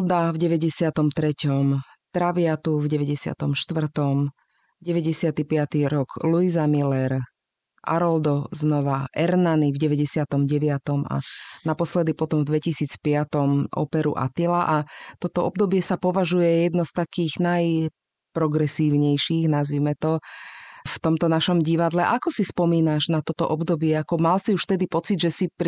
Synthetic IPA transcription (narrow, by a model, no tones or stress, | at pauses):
ld̪avɟɛʋɛɟɛsɪat̪ɔmt̪ɾɛcɔm | t̪ɾaʋɪat̪uvɟɛʋɛɟɛsɪa̰t̪ɔmʃt̪ʋr̩t̪ɔm | ɟɛʋɛɟɛsɪat̪ipɪat̪iɾɔɡ̥luizamilɛɾ | ʔa̰ɾɔld̪ɔznɔʋaʔɛɾnanivɟɛʋɛɟɛsɪat̪ɔmɟɛʋɪat̪ɔma̰napɔslɛd̪ipɔt̪ɔmvd̪ʋɛcisiːt͡spɪat̪ɔmʔɔ̰pɛɾṵʔa̰t̪ilaʔat̪ɔt̪ɔɔb̚d̪ɔbɪɛsapɔʋaʒujɛjɛd̪nɔst̪akiːɣnaj | pɾɔɡɾɛsiːʊɲɛjʃiːɣnazʋimɛt̪ɔ | ft̪ɔmt̪ɔnaʃɔmɟiʋad̪lɛʔakɔsispɔmiːnaʒnat̪ɔt̪ɔʔɔbd̪ɔbɪɛakɔmalsiuʃft̪ɛd̪ipɔt͡sid̪ʒɛsip